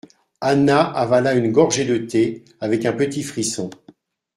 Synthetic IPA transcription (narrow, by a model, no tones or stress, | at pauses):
anaʔavalaynɡɔʁʒed̪ət̪e | avɛkɛ̃pət̪ifχisɔ̃